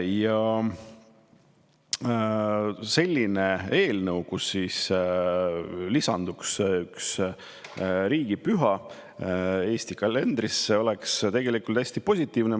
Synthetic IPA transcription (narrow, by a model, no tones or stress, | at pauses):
jɑ | se̞lʲːine̞e̞ːlnɤwɡusːiːs | lisɑnd̪̥uksyks | ɾiːɡ̥ipyɦɑ | e̞ːsʲt̪ikɑle̞nd̪̥ɾiseo̞lekst̪e̞ɡ̥e̞likˑult̪æsʲt̪ipo̞sʲit̪ːˑiːvne